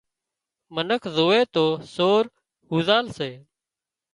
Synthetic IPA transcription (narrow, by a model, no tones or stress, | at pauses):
mənəkʰzoːeːt̪oːsoːɾ | huːzaːlseː